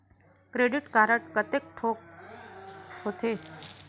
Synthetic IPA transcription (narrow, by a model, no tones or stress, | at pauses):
kɾeːɖɪʈkaːɾəʈkət̪ek̚ʈʰoːk̚ | ɦot̪ʰeː